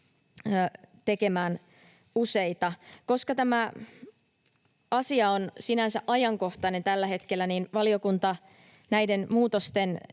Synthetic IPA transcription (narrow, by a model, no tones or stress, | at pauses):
t̪eke̞mæːn | useit̪ɑko̞skɑt̪æmæ | ʔɑsiɑonsinænsæʔɑjɑŋko̞ht̪ɑne̞nt̪ælːæhet̪kelːæninʋɑlio̞kunt̪ɑ | næjdenmuːt̪ost̪en